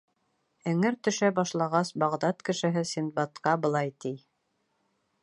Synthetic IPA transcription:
ɘ̆ŋɘɾt̪ɵ̆ʃæbɑʃlˠɑʁɑsbɑʁd̪ɑt̪kɘ̆ʃɘ̆ɦɘsinbɑt̪qɑbɤ̆lˠɑjt̪ij

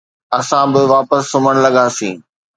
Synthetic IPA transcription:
ɐsãbɪʋaːpəsːʊməɽ̃lɐɠaːsḭ̃ː

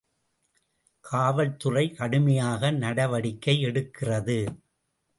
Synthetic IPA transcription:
kʰaːʋɐɻt̪ɯrɐɪkɐɽɯmɐjaːɣɐnɐɽɐʋɐɽɪkːɐɪɛɽɯkːɪrɐðɯ

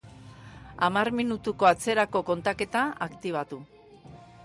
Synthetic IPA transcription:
amarminut̪uko̞at͡se̞ɾako̞ko̞nt̪ake̞t̪aakt̪iβ̞at̪u

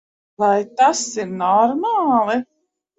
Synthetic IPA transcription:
vajt̪asiɾnɔɾmaːlˠi

